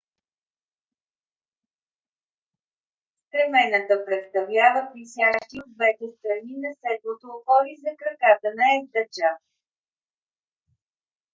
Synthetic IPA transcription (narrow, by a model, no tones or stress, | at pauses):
sk̪ɾɛmɛnət̪əpɾɛt̪st̪ɐvlʲavəpɾisʲjaʃt̪iod̪vɛt̪ɛst̪ɾɐninɐsɛd̪̚lot̪oːxɔɾizɐkɾɐkat̪ənəɛd̪ɐt͡ʃa